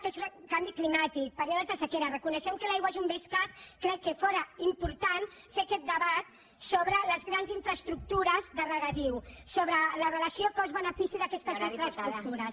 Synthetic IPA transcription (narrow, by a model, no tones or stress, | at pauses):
t̪orkambiklimat̪ik̚pəɾeðəzðəsəkɛɾɐrəkunəʃɛmkəlajɣwaʒumbeskəskɾɛkːəfɔɾəimpuɾt̪an | fekɛt̪̚d̪əβat̪ | soβɾələzɣɾanziɱfɾəst̪ɾuk̚t̪uɾəzðərəɣat̪iwsoβɾələrələsiokɔzβənəfisiðɐkɛst̪əzɣĩfɾast̪ɾut̪uɾɐs